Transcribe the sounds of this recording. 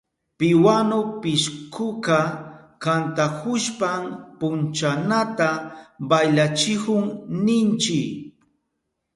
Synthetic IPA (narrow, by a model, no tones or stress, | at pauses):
pɪwanʊpɪʃkʰʊka | kant̪akʊʃpampʊnt͡ʃanat̪abajlat͡ʃɪhʊŋnɪnt͡ʃɪk